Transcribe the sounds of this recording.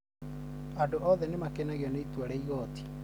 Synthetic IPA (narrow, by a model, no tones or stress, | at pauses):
adoʔɔðɛnemakenaɣeɔneitwaɾɛiɣɔːti̥